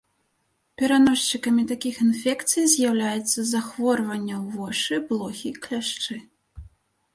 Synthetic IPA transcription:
pʲɛɾanɔʂt͡ʃɨkɐmʲit̪akʲixinfʲɛkt̪sɨjzʲjawlʲajɛt̪sːɐzaxvɔrvɐnʲːɐwvɔʂɨblˠɔxʲiklʲaʂt͡ʂɨ

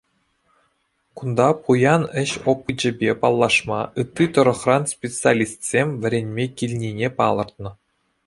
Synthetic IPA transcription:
kund̪ɑpujɑnɘ̆ɕopːɯd͡ʑɘ̆bʲepɑlˠːɑʂmɑɯt̪ʲːit̪ɤ̆ɾɤ̆χrɑnspʲet͡sɨalʲist̪sʲemʲʋʲɘ̆ɾʲenʲmʲekʲilʲnʲinʲepɑlˠɤ̆rt̪nɤ̆

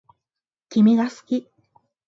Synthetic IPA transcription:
kʲimiɡasɨ̥kʲi

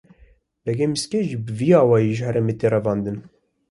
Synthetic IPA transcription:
b̥ɛɡɛmiskɛʒbɨviːɑːwɑːjiʒhɛɾɛmeːt̪eːrɛvɑːnd̪ɨn

